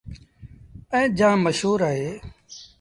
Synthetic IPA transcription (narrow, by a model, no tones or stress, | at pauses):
ə̃ːd͡ʒãːməʃɦuːɾaːɦeː